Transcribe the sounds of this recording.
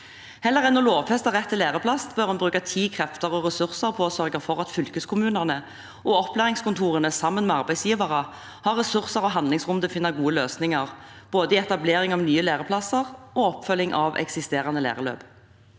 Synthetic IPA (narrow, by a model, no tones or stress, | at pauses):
hɛlːəʁɛnɔloːʋfɛst̪əʁɛt̪ʰːɪleːʁəpʰlɑst̪bœɾhʉnbʁʉːkɑt̪ʰiːkʰʁɛft̪əʁɔʁɛsʉʁsəʁpʰɔɔsœʁɡəfɔʁɑt̪fʏlkəskʰʊmʉːnəʁnə | ʔɔɔplæːʁɪŋskʊnt̪ʰuːʁənəsɑmːənmɛɑʁbæɪsjiːʋɑʁə | hɑʁɛsʉʁsəɾɔɦɑnd̪lɪŋsʁʊnd̪əfɪnːəɾɡuːəløːsnɪŋɑʁb̥oːd̪əɪɛt̪ɑbleːʁɪŋɑʋnyːəleːʁəpʰlɑsəʁɔɔpfœlːɪŋʔɑʋʔɛ̰ksɪst̪eːɾɑnəlæ̰ːʁəlø̰ːb̥